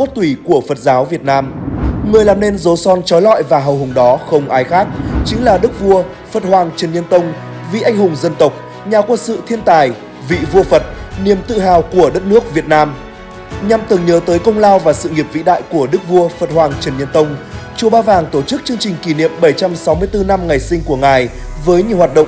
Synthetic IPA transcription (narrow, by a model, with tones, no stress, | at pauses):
mo˦˥t̚t̪wi˧˩ku˧˩əfə˨˩t̚zaː˨˦wvi˨˩ət̚naː˧mŋɨ˨˩əjlaː˨˩mne˧nzo˨˦sɔ˧nt͡ɕɔ˨˦jlɔ̰˧˨jvaː˨˩ɦə˨˩whʊ˨˩ŋ͡mɗɔ˨˦xə˧wŋ͡mʔaː˨˧˦jxaː˦˥k̚t͡ɕï˨˦ŋ̟laː˨˩ɗɨ˦˥k̚vu˧ə | fə˨˩t̚hwaː˨˩ŋt͡ɕə˨˩nɲə˧nt̪ə˧wŋ͡m | vḭ˧˨ʔa˧jŋ̟hʊ˨˩ŋ͡mzə˧nt̪ə˨˩wk͡p̚ | ɲaː˨˩kwə˧nsɨ̰˧˨t̪ʰi˧ənt̪aː˨˩j | vḭ˧˨vu˧əfə˨˩t̚ni˨˩əmt̪ɨ̰˧˨ɦaː˨˩wku˧˩əɗə˦˥t̚nɨ˦˥ək̚vi˨˩ət̚naː˧m | ɲa˨˩mt̪ɨ˨˩ŋɲəː˨˦t̪əː˨˦jkə˧wŋ͡mlaː˧wvaː˨˩sɨ̰˧˨ŋi˨˩əp̚vḭ˧˥ɗa̰ː˧˨jku˧˩əɗɨ˦˥k̚vu˧əfə˨˩t̚hwaː˨˩ŋt͡ɕə˨˩nɲə˧nt̪ə˧wŋ͡mt͡ɕu˧˩əɓaː˧vaː˨˩ŋt̪o˧˩t͡ɕɨ˦˥k̚t͡ɕɨ˧əŋt͡ɕï˨˩ŋ̟ki˧˩nḭ˧˨əmɓə˧˩jt͡ɕa˧msa˨˦wmɨ˧əjt̪ɨ˧na˧mŋa˨˩jsï˧ŋ̟ku˧˩əŋaː˨˩jvəː˨˦jɲi˨˩əwhwaː˨˩t̚ɗə̰˧˨ŋ͡m